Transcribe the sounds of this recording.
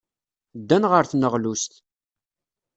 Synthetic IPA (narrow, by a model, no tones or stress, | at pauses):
d̪ːænʁəɾθnəʁlust̪